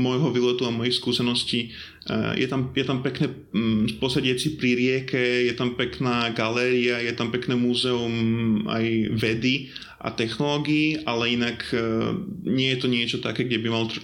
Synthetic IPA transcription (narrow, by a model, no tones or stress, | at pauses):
mɔjɦɔʋiːlɛt̪uamɔjixskuːsɛnɔsciː | jʔɛ̰t̪amjɛt̪ampɛknɛː | pɔsɛɟɪɛat͡sipɾiɾɪɛkɛjɛt̪ampɛknaːɡalɛːɾiajɛt̪ampɛknɛːmuzɛuma̰jʋɛd̪i | ʔa̰t̪ɛxnɔlɔːɡiːʔalɛinak | ɲɪɛjɛt̪ɔɲɪɛt͡ʃɔt̪akɛːɡɟɛbimalt̪